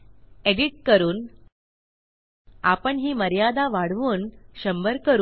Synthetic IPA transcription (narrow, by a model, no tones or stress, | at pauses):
eɽiʈ̚kəɾuːn | apəɳɦiːməɾjad̪aʋaɽ̤ʋuːnɕəmbəɾkəɾu